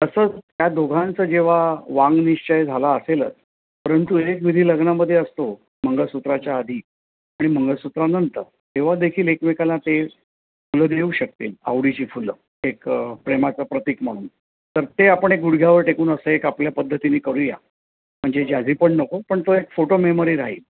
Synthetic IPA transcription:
t̪əsəːt͡sɦjad̪oɡʱant͡səd͡ʑeʋ̤aʋãŋɡniɕt͡ɕəjd͡zʱalaəselə̰t̪̚ | pəɾənt̪uekʋid̪ʱiːləɡɳaməd̪ʱːjeəst̪o | məŋɡəɭsut̪ɾat͡ɕjaːd̪ʱiː | aɽ̃im̤əŋɡəɭsut̪ɾanənt̪ə̰ɾ | t̪eʋ̤ad̪ekʰiːlekmikalãt̪e | fuləd̪euːɕək̚t̪iːla̰ʋɽit͡ɕiːfulə | ekpɾemat͡səpɾət̪iːkm̤aɽ̃ṵːn | t̪əɾt̪eapəɳek̚ɡuɽɡʱjaʋəɾʈekuːnəsəekapljapəd̪ʱːət̪iniːkəɾuːja̰ | m̤əɳd͡zed͡ʑad͡zʱiːpəɳnəkopəɳt̪oekfoʈomeməɾiːɾaɦḭːl

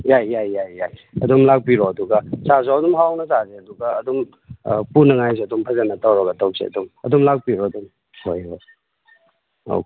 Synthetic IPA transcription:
jajːajːajːajɐ̰dumlak̚piɾɔɐduɡɐsasoawdumɦawnɐzazeɐduɡɐːdum | punɐŋajs̬eɐdumpʰɐzanɐtawɾɐɡɐtawsʰḛɐ̰dumɐ̰dumlak̚piɾɔɐdum | hojo | o̰w

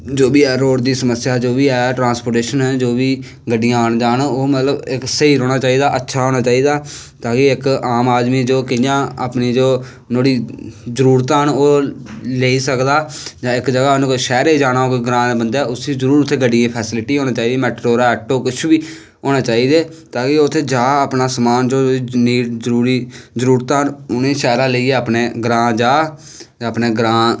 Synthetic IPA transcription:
d͡ʒoːbiːɛːɾoːɽd̪iːsəməsɪjaːd͡ʒoːbiːɛːʈɾãːnspoːɾʈeːʃənɦənd͡ʒoːʋiː | ɡəɖːɪjãːaɳd͡ʒaːnoːmət̪ləbɪksəiːɾoːɽaːt͡ʃaːiːd̪aːʔətːʃʰaːɦoːɽ̃aːt͡ʃaːiːd̪aː | t̪ãːkeɪkaːmaːd̪miːd͡ʒoːkɪjãːa̰ːpniːd͡ʒoː | noːɽiːzəɾuːɾt̪aːɦənoːleːisəkd̪aːd͡ʒãːɪkd͡ʒəɡaːnʃɛːɾeːd͡ʒaːnaːɦoːkeɡɾãːbənd̪aːʊsiːd͡ʒəɾuːɾʊt̪ʰːeːɡəɖiːeːpʰɛːsɪlʈiːɦoːñãːt͡ʃaːiːd̪eːmɛːʈɾoːɾaːɛːʈːoːkʊt͡ʃʰbiː | ɦoːnaːt͡ʃaːiːd̪eː | t̪aːkeʊt̪ʰːeːd͡ʒaːəpnaːsəmaːnd͡ʒoːniːzəɾuːɾiːzəɾuːɾt̪aːɦənʊnẽːʃɛːɾãːləiːeːəpneːɡɾãːd͡ʒaː | əpneːɡɾãː

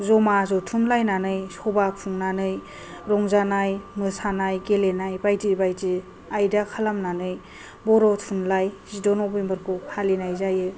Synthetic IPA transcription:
zɔmazɔtʰunlajnanɯjsɔbapʰuŋnanɯj | ɾɔŋzanajmɯsanajɡelenajbajtibajti | ajdakʰalamnanɯj | bɔɾɔtʰunlajzidɔnɔbembɯɾkʰuhalinajzajɯ

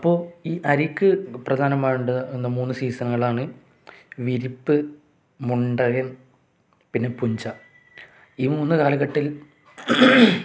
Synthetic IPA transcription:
ɐpːo̞ːiːʔɐɾikːɨprɐd̪ʱaːnɐmːaːjuɳɖɐenːɐmuːnːɨsiːsɐnɐŋːɐɭaːɳɨ | ʋiɾipːɨ | muɳɖɐjɐn | pinːe̞puɲd͡ʑɐ | iːmuːnːɨkaːlɐɣɐʈːil

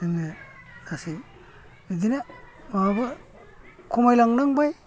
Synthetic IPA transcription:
inːeasi | idina | mabɯ | kʰumajlaŋnaŋbaj

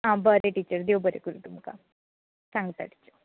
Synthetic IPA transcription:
ãbəɾeʈiːt͡ɕəɾd̪eʋbəɾekuɾuʈ̪umka̰ | saŋɡət̪a̰ʈi̥t͡ɕːu

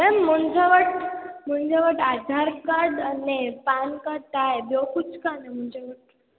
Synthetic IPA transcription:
ɛmːəɳd͡zeʋəʈ̚m̤əɳd͡ʑeʋəʈad̪ʱaɾkad̪ənepankət̪ajbjokut͡skanem̤əɳd͡ʑeʋəʈ̚

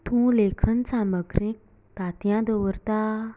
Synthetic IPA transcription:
t̪ʰũlekʰənt͡sʰãməkrik̚ | t̪at̪jãd̪əwərt̪a

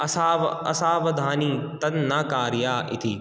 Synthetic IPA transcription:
ɐsaːʋɐ̰ɐ̰saːʋɐd̪ʱaːniːt̪ɐnnːaːkaːɾjaːʔɪ̰t̪ʰi

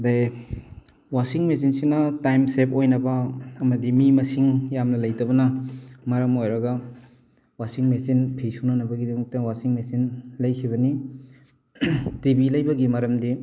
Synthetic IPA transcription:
daj | wasiŋmes̬insinɐtajmsep̚ojnɐbɐɐmɐdimimɐsiŋjamnɐlɐjtɐbɐnɐmɐɾɐmojɾɐɡɐ | wasiŋmesinpʰijsunanɐbɐɡidɐmɐk̚tɐwasiŋmesinlɐjkʰibɐni | tibilɐjbɐɡimɐɾɐmdi

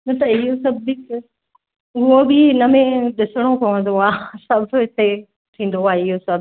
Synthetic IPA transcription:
nɐt̪ɐɪɦosɐbik | ʊɦobɪnɐmẽɗɪsəɽ̃okɐʋə̃nd̪oaːsɐbʱɦɪt̪e | ʈ̪ʰĩːn̆d̪oaːɦeɪɦosɐbʱ

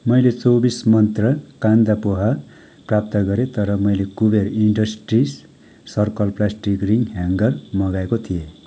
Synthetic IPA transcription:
mʌjlet͡sowbismʌnt̪rʌkãnd̪apoɦa | prap̚t̪ʌɡʌɾet̪ʌɾʌmʌjlekuberiɳɖʌsʈris | sʌrkʌlplasʈikriŋɡɦaŋɡʌrmʌɡaekot̪ʰije

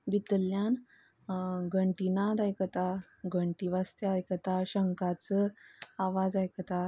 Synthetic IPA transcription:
bit̪əljan | ɡʱəɳʈinad̪ajkət̪a | ɡʱəɳʈiʋast̪jəajkət̪aɕəŋkat͡səaʋad͡zajkət̪a

